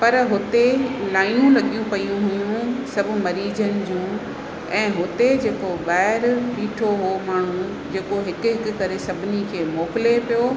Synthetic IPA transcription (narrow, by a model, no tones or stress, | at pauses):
pɐɾɦʊt̪elaːɪjũlɐɠijũpɐijũɦʊjũsɐbʱʊ̆mɐɾiːd͡ʑənɪ̆d͡ʑũː | ɛ̃ːɦʊt̪ed͡ʑeːkoɓaːɦɪɾɓiːʈʰoɦomaːɳ̤ũ | d͡ʑeːkoɦɪkʊɦɪkʊ̆kɐɾesɐbʱɪnikʰeːmɔːkɪlepijo